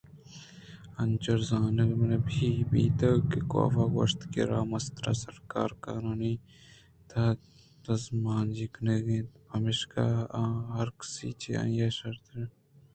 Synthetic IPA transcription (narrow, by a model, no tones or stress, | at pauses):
ɐnt͡ʃɐɾzaːnɐlmnebʱiːbiːt̪ɐkiko̰ːfaːɡo̰ːʂt̪kḭɾaːmɐst̪ɾa̰ːsɐɾka̰ːɾkaːnuːni | t̪ʰa | t̪ɐzmaːnd͡ʒikneɡet̪pɐmɪʃkaɦɐɾksiːt͡ʃḛã̰ːjaːʃɐɾt̪ɾe